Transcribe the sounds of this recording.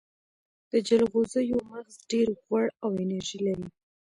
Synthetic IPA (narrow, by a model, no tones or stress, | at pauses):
d̪̥əd͡ʒalɣozəjomaɣzɖeɾɣwaɽawenaɾʒilaɾi